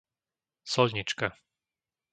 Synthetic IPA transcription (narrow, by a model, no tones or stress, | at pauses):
sɔʎɲit͡ʃka